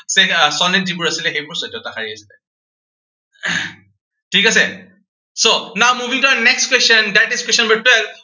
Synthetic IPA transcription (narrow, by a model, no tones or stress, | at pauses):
sesɔnet̚dibuɹasilɛxejpɔɹsɔtjɔtakʰaɹiasi̥lɛ | ʈʰikas̬ɛ | sonawmubʱiŋtɔanɛkstkwesɔndaʈeskwesɔnbɛtwɛl